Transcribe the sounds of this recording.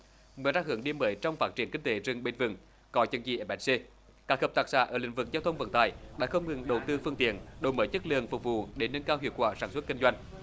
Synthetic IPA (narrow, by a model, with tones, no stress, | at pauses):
mɨ˨zaː˧hɨ˨˧˦əŋɗi˧əməː˨˦jt͡ɕɔ˧wŋ͡mfaː˦˥t̚t͡ɕi˧˩ənki˧ŋ̟t̪e˨˦zɨ˨˩ŋɓe˧nvɨ̰˨˩ŋ | kɔ˨˦t͡ɕə˨˧˩nt͡ɕḭ˧˨˩ʔɛ˧˩mʔɛ˨˦˥se˧ | kaː˨˥k̚həː˨˩p̚t̪aː˨˩k̚saː˧˥ʔəː˧˩lï˧˨ŋ̟vɨ˨˩k̚zaː˧wt̪ʰə˧wŋ͡mvə̰˧˩nt̪aː˨˩jɗa̰ː˧˥xə˧wŋ͡mŋɨ˨˩ŋɗə˨˩wt̪ɨ˧fɨ˧əŋt̪ḭ˧˨ənɗo˨˩jməː˨˦jt͡ɕə˦˥t̚lɨ̰˨əŋfu˨˩ŋ͡m̚vṵ˧˨ɗe˧˩nə˧nkaː˧whḭ˧˨ət̚kwaː˧˩saː˧˩nswə˦˥t̚ki˧ŋ̟zwa˧jŋ̟